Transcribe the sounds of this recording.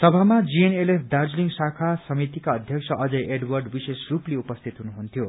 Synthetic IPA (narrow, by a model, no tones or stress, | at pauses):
sʌbʱamad͡zienelepʰd̪ard͡zliŋsakʰasʌmit̪ikaʌd̪ʱjʌksʰʌʔʌd͡zʌjʔeɖwʌrɖbisesrupleupʌst̪ʰit̪ɦunuɦunt̪ʰijo